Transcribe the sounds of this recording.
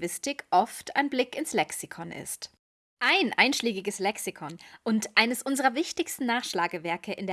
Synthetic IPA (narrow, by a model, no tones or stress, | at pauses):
vɪstɪkʰʔɔftʰa̰ɪnblɪkɪnslɛksikʰɔnʔɪ̰st | ʔaɪnʔaɪnʃleːɡɪɡəslɛksikʰɔnʔʊntʔaɪnəsʔʊnzəʁɐvɪçtɪçstn̩nːaːχʃlaːɡəvɛɐkʰəʔɪndeː